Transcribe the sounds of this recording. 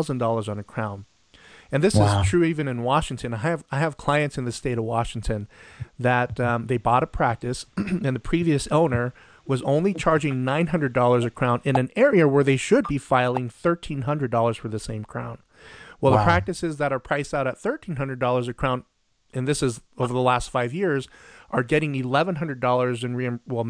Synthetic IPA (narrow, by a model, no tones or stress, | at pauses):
ʊzə̃n̩dɔlˠə˞zn̩ɨkʰɹ̥ãʊ̃n | ɨ̃nðɪsɪz̥tʰɹ̥ʉivɨ̃nɨ̃nwɑʃɪ̃ŋtʰɨ̃naɪɨvaɪɨv̥kʰl̥aɪɨ̃ntsɨ̃nðɨsteɪɾʌvwɑʃɪ̃ŋtʰɨ̃nðɨt̪̚ðeɪbɔɾəpʰɹ̥æk̚tɨsɨ̃nðɨpʰɹ̥iviɨsõʊ̃nə˞ | wʌzõʊ̃nlit͡ʃʰɑɹd͡ʒɪ̃ŋnãɪ̃nɦʌ̃ndɹɨdɔlˠə˞zɨkʰɹ̥ãʊ̃ndɨ̃nɨ̃nɛɹiɨwə˞ðeɪʃʊd̚bifaɪlˠɪ̃ŋθɜ˞tʰĩnɦʌ̃ndɹɨdɔlˠə˞z̥fə˞ðɨsẽɪ̃mkʰɹ̥ã̰ʊ̃n | wɛlˠðəpʰɹ̥æk̚tɨsɨzðɨɾə˞pʰɹ̥aɪsaʊɾɨt̪̚θɜ˞tʰĩnɦʌ̃ndɹɨdɔlˠə˞zɨkʰɹ̥ãʊ̃nd | ʔɨ̃nðɪsɨzoʊvə˞ðəlæstfaɪvjɪɹzʔə˞ɡɛɾɪ̃ŋɨlɛvə̃nɦʌ̃ndɹədɔlˠə˞zɨ̃nɹĩwɛlˠ